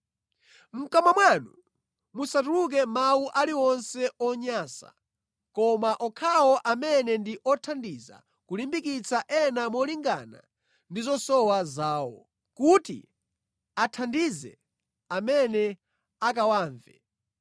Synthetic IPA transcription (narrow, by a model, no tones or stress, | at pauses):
m̩kamwamwanṵ | musatuluk̬ɛmawuʔaliwɔnsɛʔɔɲaːsa̰ | kɔmaʔɔkʰawɔʔamɛnɛndiʔɔtʰandiza̰ | kulimbikit͡saʔɛnamɔliŋɡana̰ | ndizɔsɔwazaːwɔ̰ | kutḭ | atʰandizɛ̰ | amɛnɛ | akawaːɱvɛ̰